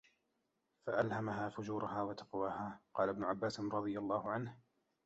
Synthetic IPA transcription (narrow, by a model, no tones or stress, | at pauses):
faʔalhamaɦaːfʊd͡ʒuːɾʊɦaːwat̪ḁqwaːhaːqɑːlabnʊʕabːaːsɪnɾˤɑd̪ˤɨjalˤːɑːhʊʕanh